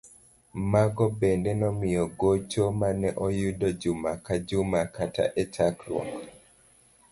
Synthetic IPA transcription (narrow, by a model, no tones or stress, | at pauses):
maɡɔbendɛnɔmɪjɔɡot͡ʃomanɛʔɔjudɔd͡ʒʊmakad͡ʒʊmakata̰ʔɛt͡ʃakɾwɔ̰k